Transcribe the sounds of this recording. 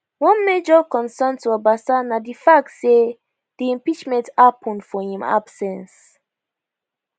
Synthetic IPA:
wɔ̃nmed͡ʒɔkɔ̃nsɛ̃ntuabasanadifak̚tse | d̥iĩmpit͡ʃmɛ̃ntapʰũnfɔhĩma̰b̥sɛ̃ns

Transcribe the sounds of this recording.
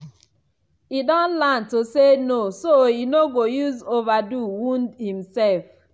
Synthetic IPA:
idɔ̃nlãntosenosoinoɡojuzovaduwũndhĩmsɛlf

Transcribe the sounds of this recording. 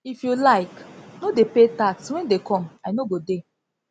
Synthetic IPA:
ifjulaɪknodepetakswɛ̃ndekʰɔmaɪnoɡode

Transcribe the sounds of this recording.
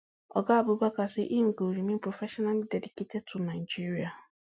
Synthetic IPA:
ɔ̰ɡaabʊbakasɪʔiŋ̩ɡoɾimipɾofeʃɔnaldediketetʊnad͡ʒiɾia

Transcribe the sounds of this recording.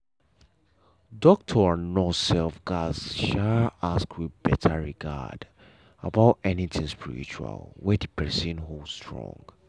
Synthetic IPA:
dɔk̚tʰɔanɔsɛlfɡazʃaaskʰwiðbɛtʰəɹiɡa̰d | abaʊtɛnitʰĩŋspʰḭɹḭt͡ʃua̰lˠwɛdipʰɛsə̃nɦoldstʰɹɔ̰̃ŋɡ

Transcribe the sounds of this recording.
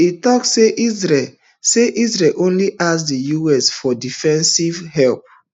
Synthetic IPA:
itɔksseʔizɹɛ | seʔisɹɛlʔõnliʔas̬dijuɛsfɔdifɛ̃nsivhɛlp̚

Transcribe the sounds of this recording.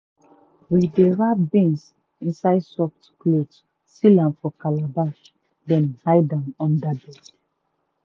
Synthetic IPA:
wideɾabɛ̃ns | ĩnsaɪdsɔftkled͡ʒ | silãnfɔkalabaʃ | dɛ̃nhaɪdãmɔ̃ndabɛd

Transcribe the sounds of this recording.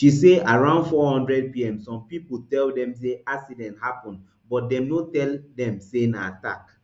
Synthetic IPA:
ʃiseaɹãʊ̃ndfɔhɔ̃ndɹɛd̚piɛ̃msɔ̃mpiputɛldɛ̃ms̬eaksidɛ̃nthapɔ̃n | bɔt̚dɛ̃mnotɛldɛ̃msenaata̰k

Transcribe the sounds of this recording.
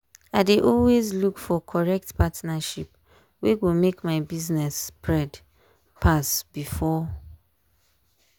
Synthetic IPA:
aɪdeʔɔlwezlukfɔkʰɔɹɛk̚tpʰatnaʃip̚ | wewomekmaɪbiznɛspɹɛd | pʰasb̥ifɔ

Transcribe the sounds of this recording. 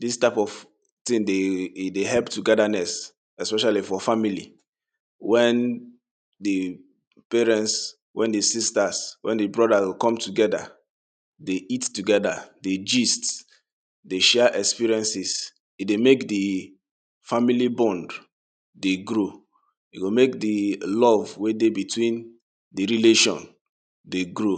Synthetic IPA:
distaɪpɔv̥ | tĩŋdedeɦɛlptuɡɛdanɛs | ɛspɛʃalifɔfamilḭ | wɛ̃n | di | pɛɹɛ̃nts | wʔɛ̃ndisistaswʔɛ̰̃ndibɹɔdawikɔ̃mtuɡɛda̰ | deʔittuɡɛdaded͡ʒist | deʃɛʔɛkspiɹiɛ̃nsis | idemekdi | familibɔ̃nd | deɡɾo | iɡomek̚dilɔvwedebitʰwĩn | diɹileʃɔ̰̃n | deɡɹo

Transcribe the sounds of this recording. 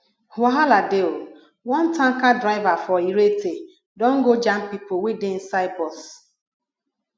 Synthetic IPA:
huaɦaladeo | wɔn̩tãŋ̩kadɾaɪvafɔiɾete | dɔ̃ŋ̩ɡod͡ʒam̩pipoweden̩saɪbɔs

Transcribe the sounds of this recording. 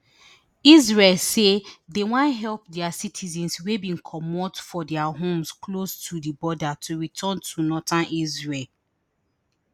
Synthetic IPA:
izɹelsedewãnɦɛlp̚dɛasitʰizɛ̃nswebĩnkʰɔmɔtfɔdɛaɦõmsklostʰudibɔdatʰuɹitʰɔ̃ntʰunɔtãnʔizɹel

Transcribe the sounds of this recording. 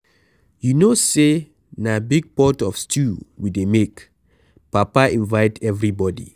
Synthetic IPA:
junose | nabiɡ̚pɔtɔfstʰuwidemek | papaĩnvaɪtʰɛvɹibɔdḭ

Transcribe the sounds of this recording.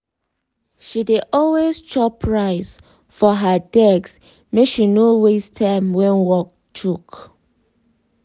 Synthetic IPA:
ʃideʔɔlwest͡ʃɔpʰɹaɪs | fɔɦədɛɡs | mekʃinowestʰãmwɛ̃nwɔk̚ | tʰuk

